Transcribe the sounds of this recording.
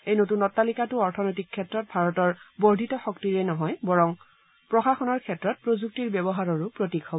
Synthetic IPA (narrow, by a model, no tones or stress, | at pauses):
ejnotunɔtːalikatʊɔɹtʰɔnɔjtikʰːɛtɹɔt̚bʱaɹɔtɔɹbɔɹdʱitɔxɔktiɹɛnɔɦɔjbɔɹɔŋ | pɹɔxaxɔnɔɹkʰɛtɹɔt̚pɹozuk̚tiɹbɛbɔɦaɹɔɹʊpɹotikhɔbɔ